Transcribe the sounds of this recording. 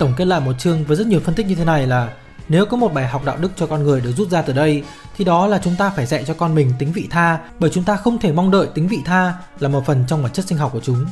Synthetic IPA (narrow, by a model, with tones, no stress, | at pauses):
t̪ə˧˩wŋ͡mke˦˥t̚la̰ː˧˨jmo˨˩t̚t͡ɕɨ˧əŋvəː˨˦jzə˦˥t̚ɲi˨˩əwfə˧nt̪ï˦˥k̚ɲɨ˧t̪ʰe˨˦na˨˩jlaː˨˩ | ne˨˦wkɔ˨˦mo˨˩t̚ɓaː˨˩jɦa˨˩k͡p̚ɗa̰ː˧˨w̚ɗɨ˦˥k̚t͡ɕɔ˧kɔ˧nŋɨ˨˩əjɗɨ˨˩ək̚zu˦˥t̚zaː˧t̪ɨː˨˩ɗə˧j | t̪ʰi˨˩ɗɔ˨˦laː˨˩t͡ɕʊ˨˦ŋ͡mt̪aː˧faː˧˩jzɛ̰˧˨t͡ɕɔ˧kɔ˧nmï˨˩ŋ̟t̪i˨˦ŋ̟vḭ˧˨t̪ʰaː˧ɓəː˧˩jt͡ɕʊ˨˦ŋ͡mt̪aː˧xə˧wŋ͡mt̪ʰe˧˩ma˧wŋ͡mɗə̰ː˧˨jt̪i˨˦ŋ̟vḭ˧˨t̪ʰaː˧ | laː˨˩mo˨˩t̚fə˨˩nt͡ɕɔ˧wŋ͡mma˨˩t͡ɕə˦˥t̚si˧ŋ̟ɦɔ˨˩wk͡p̚ku˧˩t͡ɕʊ˨˦ŋ͡m